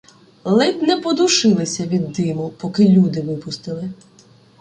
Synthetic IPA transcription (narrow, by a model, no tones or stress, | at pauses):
lˠɪt̪nɛpɔd̪uʃɪlˠɪsʲɐʋʲid̪ːɪmʊpɔkɪlʲud̪ɪʋɪpʊst̪ɪlˠɪ